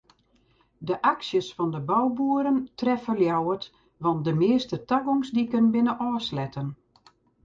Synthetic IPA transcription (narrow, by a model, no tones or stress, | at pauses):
dəʔaksjəsfɔndəbɔwbuəɾəntrɛfəljawət | ʋɑnt̚dəmɪəstətaɡoŋsdikənbɪnəʔɔːslɛtən